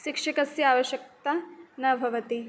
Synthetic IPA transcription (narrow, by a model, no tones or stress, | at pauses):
ʃikʂikɐsjaːʋɐʃjɐk̚t̪ɐnɐbʱɐʋɐt̪i